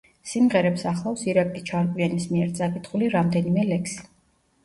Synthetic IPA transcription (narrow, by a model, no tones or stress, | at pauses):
simʁɛɾɛpsaχlˠafsiɾakʼlit͡ʃʰaɾkʼwianismiɛɾt̪sʼakʼit̪ʰχuliɾamd̪ɛnimɛlɛkʰsi̥